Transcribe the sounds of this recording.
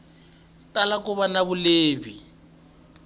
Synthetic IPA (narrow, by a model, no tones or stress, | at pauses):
talakʊβanaβʊleːbi